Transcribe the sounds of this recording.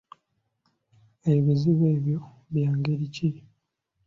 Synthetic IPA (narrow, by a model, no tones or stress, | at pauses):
eβiβiziβe̞ːβjo | βjaːŋɡeɾici